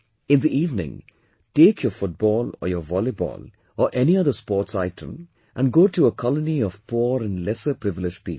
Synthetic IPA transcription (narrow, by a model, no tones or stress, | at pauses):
ɪ̃nd̪iʔiːvnɪ̰̃ŋ | ʈeːkʰjəfʊʈ̚b̥ɔːlɔ̰jəʋɔlibɔ̰ːl | əʔɛniʌðəspɔːʈsaɪʈʰə̰̃m | ʔæ̃nɡoːʈuəkʰɑləniɔv̥pʰuɾə̃nlɛsəpɾɪvɪlɪd͡ʒpḭːp